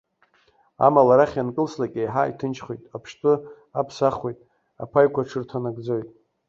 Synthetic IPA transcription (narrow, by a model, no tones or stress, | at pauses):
a̰malaɾaχʲjankʼɨlslakʲʼejħaitʰɨnt͡ʃʰχojtʼapʰʃtʼɨ | apʰsaχwe̞jtʼ | a̰pʰajkʷaʈ͡ʂʰɨrtʰanaɡʼd͡zojtʼ